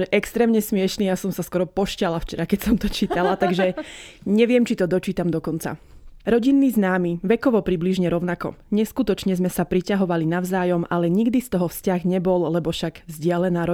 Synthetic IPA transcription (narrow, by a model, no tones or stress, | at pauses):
ɛʔɛkst̪ɾɛːmɲɛsmɪɛʃniːjasɔmsaskɔɾɔpɔʃcalaft͡ʃɛɾakɛcsɔmt̪ɔt͡ʃiːt̪alat̪aɡʒɛɲɛʋɪɛmt͡ʃit̪ɔd̪ɔt͡ʃiːt̪amd̪ɔkɔnt͡sa̰ | ɾɔɟinːiːznaːmiʋɛkɔʋɔpɾibliʒɲɛɾɔʊnakɔ̰ɲɛskut̪ɔt͡ʃɲɛzmɛsapɾicaɦɔʋalinaʊzaːjɔmalɛɲiɡd̪ist̪ɔɦɔfscaɣɲɛbɔllɛbɔʃaɡzɟɪalɛnaːɾɔ